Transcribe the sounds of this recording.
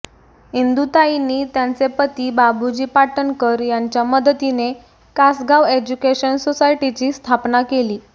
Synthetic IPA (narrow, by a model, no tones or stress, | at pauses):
ind̪ut̪ainiːt̪jant͡sepət̪iːbabud͡ʑiːpaʈənkəɾjaɲt͡ɕjaməd̪ət̪ine | kasɡaʋed͡ʑukeɕənsosajʈit͡ɕiːst̪ʰapnakeliː